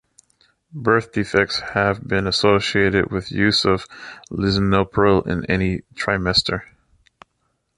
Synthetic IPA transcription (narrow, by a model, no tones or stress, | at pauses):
bɜ˞θd̥ifɛk̚tshɨvbɪ̃nɨsoʊsieɪɾɨ̰d̚wɨðjʉzʌv̥lɪzɨnoʊpʰl̩ˠɪ̰̃nɛnitʰɹ̥aɪmɛstʰə˞